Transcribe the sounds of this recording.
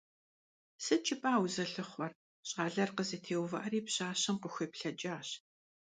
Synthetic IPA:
sɨt͡ʃʼɪpʼaːwzɐɬɨχʷɔr | ɕʼɑːɮɐrqəzɨtʰeːwvɐʔɐriːpɕaːɕɐmqəxʷɐpɬɐt͡ʃʼaːɕ

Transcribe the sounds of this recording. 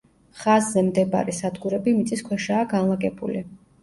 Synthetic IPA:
χazːɛmd̪ɛba̰ɾɛsad̪ɡuɾɛbimit̪sʼiskʰwɛʃaːɡanlˠaɡɛbṵli

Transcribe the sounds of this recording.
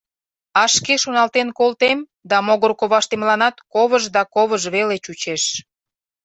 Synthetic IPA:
ɑʃkeʃonɑlt̪enkolt̪em | d̪ɑmoɣərkoβɑʃt̪emlɑnɑt̪koβəʒd̪ɑkoβəʒβelet͡ɕut͡ɕeʃ

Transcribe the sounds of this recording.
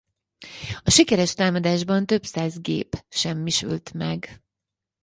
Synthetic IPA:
ɒʃikɛɾɛʃt̪aːmɒd̪aːʒbɒnt̪ø̞psaːzɡḛːpʃɛmːiʃy̰lt̪mɛɡ

